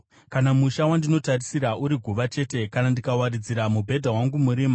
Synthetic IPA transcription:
kanamuʃawandino̞tarisiɾaʔuɾiɡʱuʋat͡ʃe̞ːte̞kanandikawaɾid͡ziɾamubʱe̞dʱawaŋɡumuɾiːma

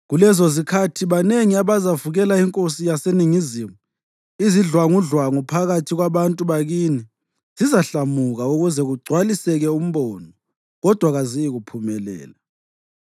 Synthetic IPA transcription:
ɣulɛzɔzikʰatʰiβaneŋiaβazavuɣɛlaiŋkʼosijaseniŋiziːmu | iziɮwaŋuɮwaŋupʰaɣatʰiɣwaβantʼuβaɣiːni | z̥izaɬamuɣauɣuzɛɣuɡ͡ǀʱwalisɛɣɛum̩βɔːnɔ | ɣɔd̥ʱwaɣazijiɣupʰumɛlɛ̰ːla

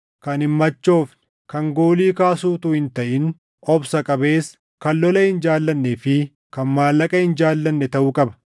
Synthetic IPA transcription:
kɐnhɪmːɐt͡ʃːo̞ːfnɪ | kɐŋɡo̞ːliːkaːsuːt̪uːhɪnt̪ɐʔɪn | ɔbsɐkʼɐbe̞ːs | kɐlːɔlɐhɪnd͡ʒaːlːɐnːefɪ | kɐnmaːlːɐkʼɐhɪnd͡ʒaːlːɐnːɛt̪ɐʔʊːkʼɐbɐ̥

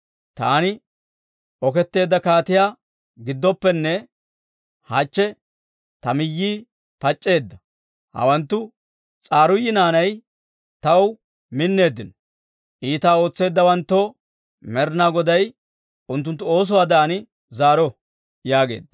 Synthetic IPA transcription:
t̪a̰ːnɪ | ʔɔkɛt̪ːe̞ːd̪ːɐkaːt̪ɪjaː | ɡɪd̪ːɔpːɛnːɛ | haːt͡ʃːɛ | t̪ɐmɪjːiː | pɐt͡ʃʼːe̞ːd̪ːɐ | hɐ̰wɐnt̪ːʊ | t͡sʼaːɾʊjːɪnaːnɐj | t̪ɐw | mɪnːe̞ːd̪ːɪnɔ | ʔiːt̪aːo̞ːt͡sːe̞ːd̪ːɐwɐnt̪ːɔ | mɛɾnaːɡɔd̪ɐj | ʊnt̪ːʊnt̪ːʊo̞ːs̬ɔwaːd̪aːnɪ | zaːɾɔ | jaːɡe̞̰ːd̪ːɐ

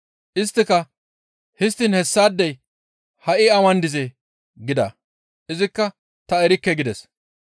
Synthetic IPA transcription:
ʔɪst̪ːɪkɐ | hɪst̪ːɪnhɛsːaːd̪ːɛj | hɐʔɪɐmɐnd̪ɪzɛ | ɡɪd̪ɐ | ʔɪzɪkːɐ | t̪ɐɛɾɪkːɛɡɪd̪ɛs

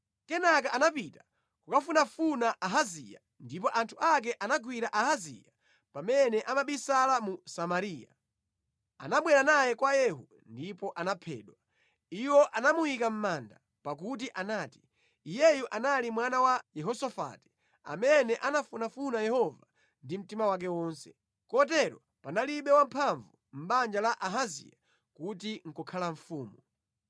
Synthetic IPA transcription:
kɛnak̬aʔanapita | kukafunafunaʔaɦazḭja | ndip̬ɔʔantʰuak̬ɛʔanaɡwiɾaʔaɦazḭja | pamɛnɛʔamaɓisalamusamaɾiːja̰ | a̰naɓwɛɾanajɛkwajɛɦu | ndipɔʔanapʰɛ̰ːɗwa | iwɔʔanamujikam̩manda | pak̬ut̬iʔanaːti̥ | ijɛjuʔanalimwanawajɛɦɔsɔfa̰ti̥ | a̰mɛnɛʔanafunafunajɛhɔva | ndim̩timawak̬ɛwɔːnsɛ̥ | kɔt̬ɛɾɔ̰ | panaliɓɛwam̩pʰaɱvum̩ɓand͡ʒalaʔaɦazḭja | kut̬iŋ̩kɔkʰalaɱ̩fuːmu

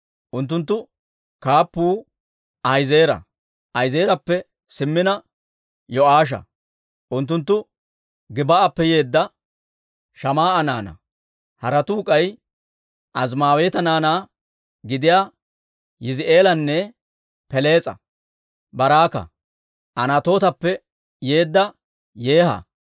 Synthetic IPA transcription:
ʔʊnt̪̬ːʊnt̪̬ːʊ | kaːpːuː | ʔɐjzeːɾɐ̰ | ʔɐjzeːɾɐpːɛ | sɪmːɪnɐ | jɔʔaːʃ̬ɐ̰ | ʔʊnt̪ːʊnt̪ːʊ | ɡɪbɐːpːɛjeːd̪ːɐ | ʃɐmaːɐna̰ːnɐ̰ | hɐɾɐt̪uːkʼɐj | ʔɐzmaːweːt̪ɐnaːnaː | ɡɪd̪ɪjaː | jɪzɪʔe̞ːlɐnːɛ | pɛle̞ːt͡sʼɐ̰ | bɐɾaːkɐ̰ | ʔɐnaːt̪o̞ːt̪ɐpːɛ | je̞ːd̪ːɐ | je̞ːhɐ̰

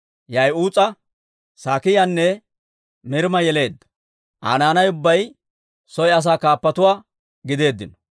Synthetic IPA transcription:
jɐjuːt͡sʼɐ | saːkɪjanːɛ | mɪɾmɐjɛle̞ːd̪ːɐ̥ | ʔa̰ːnaːnɐjʊbːɐj | sɔjɐs̬aːkaːpːɐt̪ʊwaː | ɡɪd̪e̞ːd̪ːɪnɔ

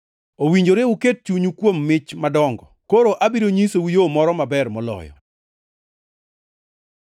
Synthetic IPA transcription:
owiɲd͡ʒoɾeuket̚t͡ʃuɲukwomːɪt͡ʃmadɔŋɡɔkoɾoʔabiɾoɲisowijomɔɾɔmabɛrmɔlɔ̰jɔ̰

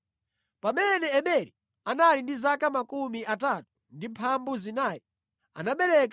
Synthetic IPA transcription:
pamɛnɛːɓɛɾi | analindizakamakumiatatu̥ | ndimpʰambuzinaːji | anaɓɛɾɛk

